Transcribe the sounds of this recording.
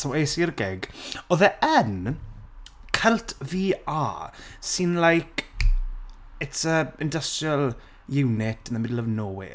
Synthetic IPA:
sawejsirɡɛɡɔðɛʔən | kʰəlˠtʰviːaːsɪnlajkʰ | ɛtəɪndəstəlˠ | jɪwnɪtənamɪdlˠəvnowɪ̰

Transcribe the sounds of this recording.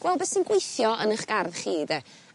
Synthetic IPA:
ɡwɛlˠbɛsinɡwejθjɔənəχɡ̥arðχiːdɛ

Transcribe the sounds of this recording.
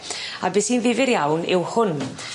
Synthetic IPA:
abɪsiːnðɪvɪɾjawnɪwhʊn

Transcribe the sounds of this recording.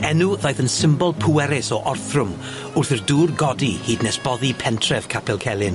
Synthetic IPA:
ɛnuðajθənsɪmbɔlˠpʰʊɛɾɪsɔʔɔrθrʊm | ʊrθirduːrɡɔdihiːdnɛsb̥ɔðipʰɛntʰrɛv̥kʰapʰɛlˠkʰɛlˠɪn

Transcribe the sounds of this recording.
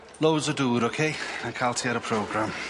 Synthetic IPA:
lowzəduːɾokʰeːankʰalˠtʰiaɾəpʰɹ̥oːɡɹam

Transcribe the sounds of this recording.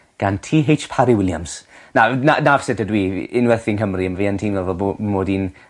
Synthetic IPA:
ɡ̥antʰiːɦejt͡ʃpʰaɾiwɪlˠja̰ms | nananavsɛtʰədwiːɪnwɛrθɪnɦəmriəmviːantʰiːnvɛlvɔbomoːdin

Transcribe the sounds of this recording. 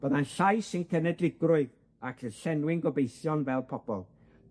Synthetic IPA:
b̥əðanɬajsɪnkʰɛnɛdlɪɡrʊɨð | akʰənɬɛnwɪŋɡɔbejθjɔnvɛlˠpʰɔb̥ɔlˠ

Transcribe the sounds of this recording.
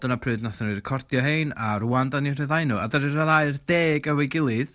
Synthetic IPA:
d̥ənapʰrɨːdnaθənɨrkʰɔrdjɔɦejnaɾuandanirɛðaɨnua̰dəɾɨraðaɨrd̥eːɡəwejɡɪlˠɨð

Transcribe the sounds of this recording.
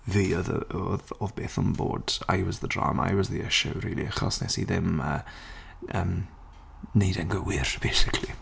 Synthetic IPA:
viːɔðəoðoðbeːθənboːd̥a̰jwɔzðədra̰ːmaa̰wɔzðiɪʃəwɾiːliaχasnɛsiðɪmə | ʔəːm | nejdɛnɡəwɪɾb̥ejsɪkʰli

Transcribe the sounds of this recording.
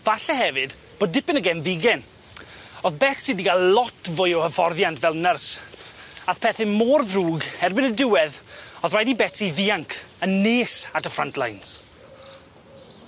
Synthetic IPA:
vaɬɛhɛvɨd | b̥oːdːɪpɪnəɡɛnvɪɡɛn | ɔðbɛtsidiɡalˠlɔtʰvʊjɔwhəfɔrðjantvɛlˠnɛrs | aθpʰɛθɪmoːrvruːɡhɛrbɪnədɪwɛðɔðrajdibɛtʰiðiaŋkʰənːeːsatəfrantʰlˠajns

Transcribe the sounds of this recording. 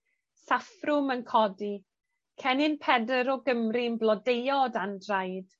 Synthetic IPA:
safrʊmənkʰɔdi | kʰɛnɪnpʰɛdəɾɔɡəmrinblˠɔdejɔdandrajd̥

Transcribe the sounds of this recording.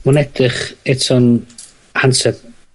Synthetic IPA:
mʊnɛdɪχɛtʰɔn | hansɛb

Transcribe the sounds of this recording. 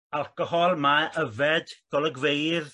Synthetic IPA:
alˠkəhɔlˠmaʔəvɛdɡ̥ɔlˠəɡvejð

